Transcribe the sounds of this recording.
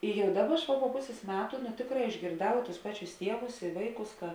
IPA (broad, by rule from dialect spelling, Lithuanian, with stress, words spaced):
ɪ ˈjɛʊ ˈdɑːˌbɐ ˈɐʃ ʋɐ poː ˈpʊsʲeːs ˈmʲæːtʊ nʊ ˈtʲeːkˌrɑː ɪʒʲɡʲeːrˈdɐʊ tʊs ˈpɑːˌt͡ʃʲʊs ˈtʲiɛʋʊs ɪ ˈʋɐɪˌkʊs kɐ